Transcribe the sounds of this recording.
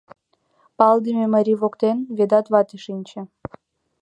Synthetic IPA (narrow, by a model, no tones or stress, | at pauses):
pɑld̪əmʲemaɾʲiβokt̪envʲed̪ɑt̪βɑt̪eʃinʲt͡ɕĕ